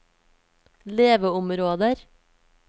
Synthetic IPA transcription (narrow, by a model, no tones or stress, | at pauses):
leːʋəʊmɾoːd̪əɾ